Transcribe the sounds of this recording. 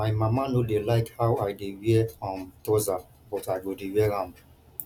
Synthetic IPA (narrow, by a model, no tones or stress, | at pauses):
maɪmamanodelaɪkhawaɪdewiɛfɔ̃mtɔza | bɔtaɪɡodewiɛɾãm